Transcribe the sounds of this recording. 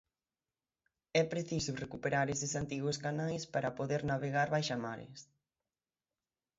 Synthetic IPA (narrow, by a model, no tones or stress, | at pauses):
ɛpɾeθisʊrekupeɾaɾesɪsant̪iɣʊskanajspaɾɐpoðeɾnaβeɣaɾβajʃamaɾɪ̰s